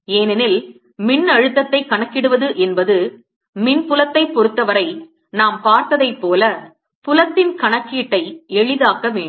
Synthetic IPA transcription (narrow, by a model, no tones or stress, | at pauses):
eːnɪnɪl | mɪnɐɻɯt̪ːɐt̪ːɐɪkɐɳɐkːɪɽɯʋɐðɯʔɛnbɐðɯ | mɪnpʊlɐt̪ːɐɪpːɔɾɯt̪ːɐʋɐɾɐɪ | naːmpaːɾt̪ɐðɐɪpːoːlɐ | pʊlɐt̪ːɪnkɐɳɐkːiːʈːɐɪɛɻɪðaːkɐmeːɳ